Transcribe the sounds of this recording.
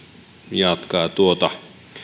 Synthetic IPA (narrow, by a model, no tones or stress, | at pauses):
jɑt̪kɑːt̪uot̪ɑ